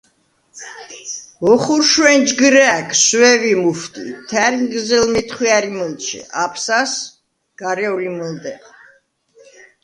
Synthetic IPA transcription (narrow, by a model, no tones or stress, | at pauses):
vɔχuɾʃwɛnd͡ʒɡɾɛkʰswɛvimuft̪ʼḭt̪ʰɛɾiŋɡzɛlmit̪ʰχwiaɾimɔlˠt͡ʃʰḭʔapʰsas | ɡ̥aɾɛulimɔld̪ɛ